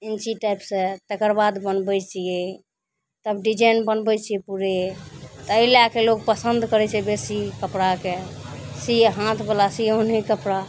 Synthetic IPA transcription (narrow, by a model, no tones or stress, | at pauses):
int͡ʃiʈajpsẽt̪əkəɾbad̪bənbəjt͡ʃʰijɛ | t̪əbɖid͡ʒanbənbət͡ʃʰijɛpuɾet̪əilakelok̚pəsənd̪ʱkəɾɛt͡ʃʰɛbesikəpɽakesiɦãt̪ʰbelasionɦikəpɾa